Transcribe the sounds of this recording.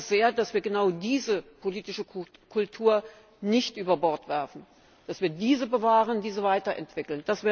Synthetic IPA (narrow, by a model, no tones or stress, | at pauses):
z̥eːɐdasv̥iːɐɡənaʊdiːzəpʰoliːtɪʃəkʰʊltʰuːɐ | nɪçtʔyːbɐbɔɐtv̥ɛɐfn̩ | d̥asv̥iːɐdiːzəbəvaːʁəndiːzəvaɪtɐʔɛ̰ntv̥ɪkl̩nd̥asv̥eː